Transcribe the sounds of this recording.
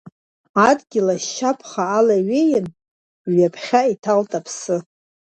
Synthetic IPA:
adɡʲɪlaʃapʰχaːlaɥejɪn | ɥapʰχʲaitʰaltʼapʰsɨ

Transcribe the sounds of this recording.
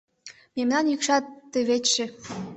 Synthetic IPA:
memnɑnjykʃɑt̪ːĕβet͡ɕʃĕ

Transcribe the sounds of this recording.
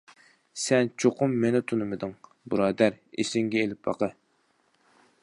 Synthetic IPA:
sɛnt͡ʃʰoqʊmːenɪt̪ʰunɨmɨd̪ɨŋ | bɨɾɑːd̪æɾ | ḛsɪŋɡʲɛelɪp̚bɑ̰qə

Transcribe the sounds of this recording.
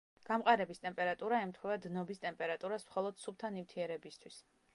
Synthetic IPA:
ɡ̥amqʼaɾɛbist̪ʼɛmpʼɛɾat̪ʼuɾaɛmt̪ʰχwɛvad̪nɔbist̪ʼɛmpʼɛɾat̪ʼuɾasmχɔlˠɔd̪̥sup̚t̪ʰanimt̪ʰiɛɾɛbist̪ʰwis

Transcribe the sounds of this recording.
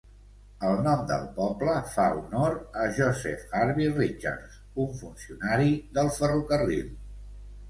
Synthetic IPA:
əlˠnɔmd̪ə̰lˠpɔbləfaunoɾəʒɔzɛ̰faɾβirit͡ʃa̰ɾz | uɱfunsiunaɾiðəlˠfərukərḭlˠ

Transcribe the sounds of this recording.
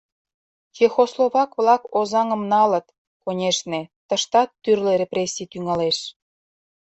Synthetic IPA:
jexosloβɑkβlɑkozɑŋə̆mnɑlə̆t̪ | konʲeʃnet̪əʃt̪ɑt̪ːyrleɾeprʲesʲːit̪yŋɑleʃ

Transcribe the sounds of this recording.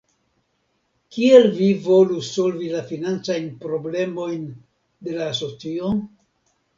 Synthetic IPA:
kielvivo̞luso̞lvilafinant͡sajnpɾo̞ble̞mo̞jn | de̞laːso̞t͡sio

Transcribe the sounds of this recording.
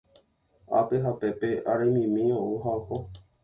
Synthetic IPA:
a̰peɦapepeʔaɾamĩmĩõuɦaho

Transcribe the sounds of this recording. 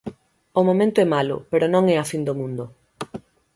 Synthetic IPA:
ʊmõmẽnt̪ʊɛmalʊ̰peɾʊnõŋɛafind̪omũnd̪ʊ

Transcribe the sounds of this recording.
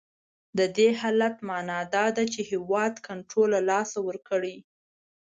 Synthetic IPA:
d̪əd̪ehɑlat̪mɑnɑd̪ɑd̪at͡ʃehewɑd̪kaɳʈɾolalɑsawəɾkəɽi

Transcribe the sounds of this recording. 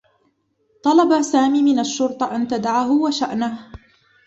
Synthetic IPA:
t̪ˤɑlɑbasaːmiːmɪnaʃːʊɾt̪ˤɑʔant̪ad̪aʕaɦʊwaʃaʔnah

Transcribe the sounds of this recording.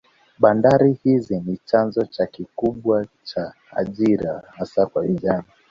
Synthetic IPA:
ɓandaɾihizinit͡ʃanzɔt͡ʃakikuɓwat͡ʃa | a̰ʄiɾahasakwaviʄana

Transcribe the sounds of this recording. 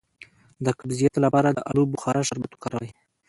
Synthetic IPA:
d̪əkabzijɑt̪lapɑɾad̪əʔalubʊxɑɾaʃaɾbat̪u̥kɑɾawaj

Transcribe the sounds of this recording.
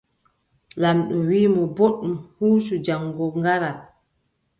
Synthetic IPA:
lanɗɔwiːmɔboɗumhuːsud͡ʒaŋɡɔŋɡaɾa

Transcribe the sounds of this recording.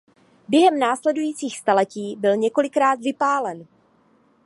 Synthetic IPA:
bjɛɦɛmnaːslɛdujiːt͡siːxst̪alɛciːbɪlɲɛko̞lɪkɾaːt̪vɪpaːlɛn

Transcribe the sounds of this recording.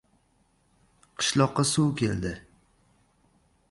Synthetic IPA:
qʰɨ̥ʃlˠɒqːɑsuwkʲʰe̞ld̪ɪ

